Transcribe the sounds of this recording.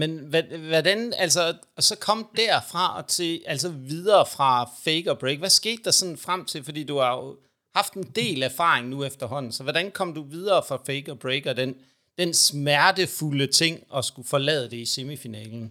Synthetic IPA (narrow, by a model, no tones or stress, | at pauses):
menʋæʋɒdænæls̬ɐ | ɒ̽sɒ̽kʰɒ̽m̰d̥æɐfʁɑ̈ɒ̽t͡sʰe̝ʔæls̬ɒʋið̞ˠɐːfʁɑ̈feɪɡ̥ɒ̽b̥ʁeɪɡ̥ʋæsɡ̥e̝̰ːd̥ːɑ̈sɒ̽nn̩fʁam̰t͡sʰe̝lfɒ̽d̥ḭːd̥uhɑ̈jo | hɑ̈fd̥e̝nd̥e̝̰ːlæɐfɑ̈ːʁeŋnuefd̥ɐɦɒ̽n̰n̩sɒ̽ʋɒɾ̥ænkʰɒ̽m̰d̥uʋið̞ˠɐːfʁɑ̈feɪɡ̥ɒ̽b̥ʁeɪɡ̥ɒd̥en | d̥ensmæɐd̥əfulət͡sʰe̝ŋ̰ɒ̽sɡ̥ufɒ̽lɛ̰ːð̞̩ˠd̥e̝ise̝mifinɛ̰ːln̩